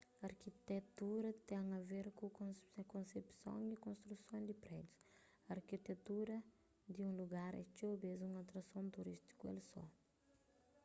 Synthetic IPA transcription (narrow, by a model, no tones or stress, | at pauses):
ɐɾkit̪et̪uɾɐt̪ɛ̃ŋɐveɾkũõkõsepsõ̰ŋikõst̪ɾusõd̪ipɾɛd̪ju̥s | ɐɾkit̪et̪uɾɐ | d̪iũluɡaɾɛ̰t͡ʃobezũŋat̪ɾɐsõnt̪uɾist̪i̥kuḛlsɔ̰